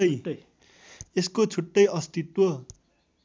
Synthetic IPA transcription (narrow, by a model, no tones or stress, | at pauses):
j | eskot͡sʰuʈːʌjʌst̪it̪wʌ